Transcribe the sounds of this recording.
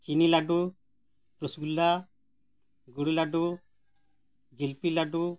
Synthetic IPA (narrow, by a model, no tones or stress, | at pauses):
t͡ʃinilaɖu | pɾusɡulːa | ɡuɽulaɖu | ɡilpilaɖu